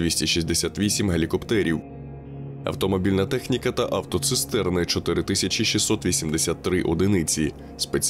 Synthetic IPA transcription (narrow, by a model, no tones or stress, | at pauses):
ʋʲisʲtʲiʃisʲd̪esʲat̪ʋʲisʲimɦelʲikɔpt̪ɛɾʲiw | ɐ̰wt̪ɔmɔbʲilʲnɐt̪ɛxnʲikɐt̪ɐʔɐwt̪ɔt̪sɨst̪ɛrnɪt͡ʃɔt̪ɪɾɪt̪ɪsʲɐt͡ʃʲiʃisːɔt̪ʋʲisʲimd̪esʲat̪ːɾɪʔɔd̪ɪnɪt͡sʲi | spet͡sʲ